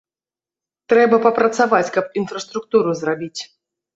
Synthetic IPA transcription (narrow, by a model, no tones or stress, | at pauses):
t̪ɾɛbɐpɐpɾɐt̪savat͡sʲkɐp̚infɾɐst̪ɾuk̚t̪uɾuzrabʲit͡sʲ